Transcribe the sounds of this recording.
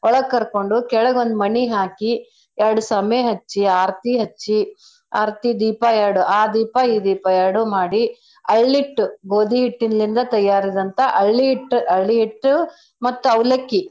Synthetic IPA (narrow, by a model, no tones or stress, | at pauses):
ɔɭɐɡkɐɾkoɳɖukɛɭɐɡond̪umɐniɦaːki | ɛɾɐɽusɐmeɦɐt͡ʃːiaːɾt̪iɦɐt͡ʃːi | a̰ːɾt̪id̪iːpajɛɾɽuʔaːd̪iːpaiːd̪iːpajaɾɽumaːɽi | ɐɭːiʈːuɡoːd̪iiʈːinɐlind̪ɐt̪ɐjːaːɾid̪ɐnt̪ɐʔɐɭːiiʈːuʔɐɭːiiʈː | mɐt̪ːuɐwlɐkːi